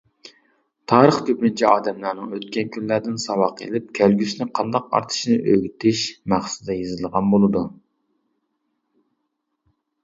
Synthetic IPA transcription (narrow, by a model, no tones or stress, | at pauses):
t̪ʰɑːɾəχkʲʰøpnɪnt͡ʃʰiɑ̰ːd̪ɛmlˠæɾnɨŋøt̪̚kʲɛnkʲʰynlːæɾd̪ɪnsɑwɑqʰḛlɪp̚kʲʰælɡʲysnɪqʰɑnd̪ɑq̚ɑ̰ɾt̪ʰɨ̥ʃinɨʔøɡʲyt̪ʰɪʃmæχsɪ̥d̪ɛjezɨlˠʁɑnbolˠɨd̪u